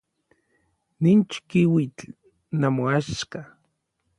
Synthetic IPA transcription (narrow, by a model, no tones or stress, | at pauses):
nint͡ʃkiwit͡ɬ | namoaʃka